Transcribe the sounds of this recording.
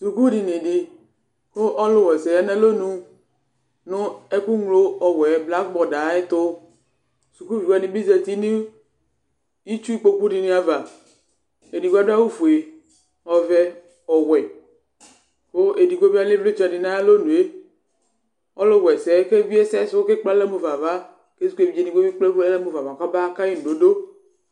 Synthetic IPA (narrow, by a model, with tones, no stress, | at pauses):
su˨ku˦di˨nɪ̃˨ɖɪ˨ | xo˦ʔɔ˦lʊ˦wɛ˨sɛ˨ja˦nã˦lo˦nũ˦ | nʊ̃˦ɛ˦ku˦ŋlo˦ɔ˨wɛ˨˦bla˦k̚bɔ˨da˨˦e˦t̪ʊ˦ | su˨ku˦vi˨wa˦nĩ˨bi˦ze˨t̪i˦nĩ˦ | i˦t͡ʃu˦i˦k͡po˦ku˦ɖi˨nĩ˦a˨va˨ | e˨di˨ɡa˦da˦wu˦fu˨e˨ | ɔ˨vɛ˦ | ɔ˨wɛ˨ | xo˦ʔe˨di˨ɡo˦bi˦a˦le˦vle˦t͡ʃa˨ɖi˨nã˦e˦lo˦nũ˨e˦ | ɔ˦lo˦wɛ˨sɛ˨˦ke˦vi˦e˦sɛ˦so˦o˦ke˦k͡pla˦le˦mo˨va˨va˦ | ke˦su˦ku˦e˨vi˨˦e˦di˨ɡo˦bi˦k͡ple˦e˦le˦mo˨va˨va˨ka˦ba˦ka˦ji˦n̩ũ˨ɖo˨˦do˦